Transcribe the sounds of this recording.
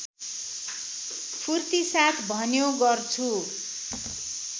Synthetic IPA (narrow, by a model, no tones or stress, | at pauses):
pʰurt̪isat̪ʰbʱʌnjoɡʌrt͡sʰu